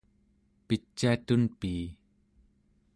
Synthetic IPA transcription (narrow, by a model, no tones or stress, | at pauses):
pit̪̚t͡ɕɛt̪unpiː